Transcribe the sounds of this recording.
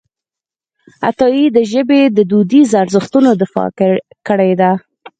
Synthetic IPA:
a̰t̪ɑjid̪əʒəbed̪əd̪ud̪izaɾzəxt̪unod̪ɪfɑ̰ | kəɽajd̪a

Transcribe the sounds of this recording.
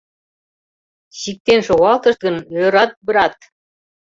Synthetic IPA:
ɕik̚t̪enʃoɣɑlˠt̪ɤ̆ʃt̪̚ɡɤ̆njøɾɑt̪̚bɤ̆ɾɑt̪̚

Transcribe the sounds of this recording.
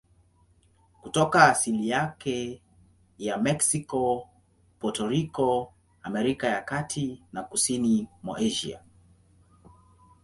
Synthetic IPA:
kutɔkaːsilijakɛ | jamɛksikɔ | pɔtɔɾikɔ | amɛɾikajakatʰinakusinimwa̰ʔɛʒḭa̰

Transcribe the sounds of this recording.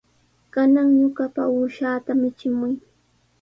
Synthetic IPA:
kanaŋjʊkapauʃaːt̪amɪt͡ʃɪmʊj

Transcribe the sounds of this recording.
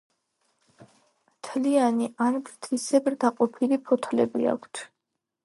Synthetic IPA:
mt̪ʰlianiʔanbɾt̪ʰisɛbɾd̪aqʼɔpʰilipʰɔt̪ʰlɛbɾḭa̰kʷʰt̪ʰ

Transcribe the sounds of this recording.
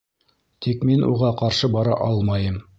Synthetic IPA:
t̪ʰikminʔṵʁɑqɑɾʃɤbɑɾɑ̰ʔɑlˠmɑjɤm

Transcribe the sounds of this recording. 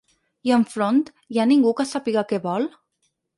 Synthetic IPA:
iəɱfɾont̪ | janiŋɡukəsapiɣakɛβɔlˠ

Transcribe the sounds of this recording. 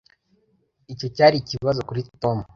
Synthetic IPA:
ico̞caːɾiciβazo̞kuɾitomu

